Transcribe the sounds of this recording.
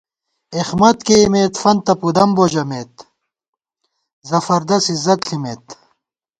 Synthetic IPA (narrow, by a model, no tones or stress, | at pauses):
exmɐt̪keimeːt̪fɐnt̪ɐpud̪ɐmbod͡ʑɐmeːt̪ | zɐfɐɾd̪ɐsizɐt̪ɬʰimet̪